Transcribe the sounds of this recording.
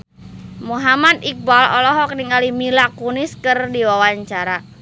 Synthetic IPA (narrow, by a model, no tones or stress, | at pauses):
muɦamat̪ik̚balɔlɔɦɔk̚niŋalimilakuniskɨrdiwawaɲt͡ʃaɾa